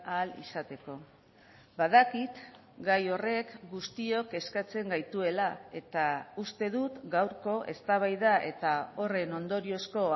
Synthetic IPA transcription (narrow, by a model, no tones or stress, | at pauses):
alḭsat̪e̞ko̞ | baðakit̪ | ɡajo̞re̞kɡust̪io̞ke̞skat͡se̞ŋɡajt̪ue̞lae̞t̪aust̪e̞ðut̪ɡawɾko̞ʔe̞̰st̪aβ̞ajðaʔe̞t̪ao̞re̞no̞nd̪o̞ɾio̞sko̞